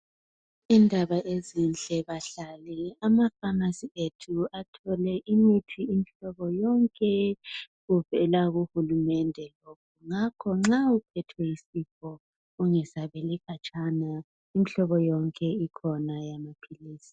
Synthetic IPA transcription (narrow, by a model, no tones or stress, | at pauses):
indʱaβaezint͡ɬʼɛβaɬaliamakamasietʰuatʰɔlɛʔimitʰiːmiɬɔβɔjɔŋkʼɛ | ɣuvɛlaɣuhulumɛndʱɛlokʰuŋakʰɔŋ͡ǁaupʰɛtʰwɛisifɔ | uŋɛsaβelikʰat͡ʃʼana | imiɬɔβɔjɔŋkʼɛikʰɔnajamapʰiliːsi̥